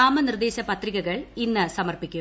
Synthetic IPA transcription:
aːmɐnird̪eːɕɐpɐt̪riɣɐɣɐɭinːɨsɐmɐrpikʲːu

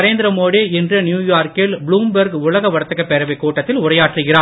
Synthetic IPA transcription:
ɾeːnd̪ɪɾɐmoːɽiɛndrɯnjuːjaːɾkɪlbɭuːmbɐɾɡʊɭɐɣɐʋɐɽɐt̪ːɐkːɐpːɛɾɐʋɐɪkːuːʈːɐt̪ːɪlʊrɐjaːʈrɯɣɪraː

